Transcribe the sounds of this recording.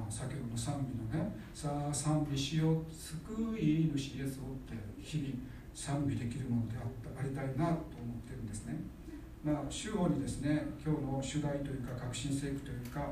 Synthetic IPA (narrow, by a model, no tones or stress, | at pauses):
sakʲoːɦ̪nosãmbʲino̞ne̞ | sasãmbʲiɕio̞sɨkɯimɯ̟ɕiesɨot̪ːe̞çibʲi | sãmbʲid̪e̞kʲiɾɯ̟mo̞no̞d̪e̞at̪ːaɾʲit̪ainat̪o̞ːmo̞t̪ːe̞ɾɯ̟̃nd̪esɨne̞ | maːɕɨːɦo̞ːɲ̟id̪e̞sɨne̞kʲo̞ːno̞ɕɨd̪ait̪o̞jɯ̟ːkakakɯ̟̥ɕĩɰ̃se̞ːkɯ̥t̪o̞jɯ̟ːka